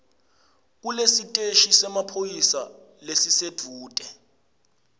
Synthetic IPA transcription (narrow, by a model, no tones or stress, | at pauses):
k̬ulesitʼeʃisɛmapʰojisa | lesised̥ʱuːtʼɛ